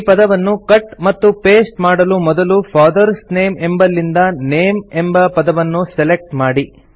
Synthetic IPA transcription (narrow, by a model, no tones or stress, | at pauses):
pɐd̪ɐʋɐnːukɐʈmɐt̪ːupeːsʈmaːɽɐlumɔd̪ɐlupʰaːd̪ɐɾsne̞ːmembɐlːind̪ɐneːmembɐpɐd̪ɐʋɐnːusɛlek̚ʈmaːɽi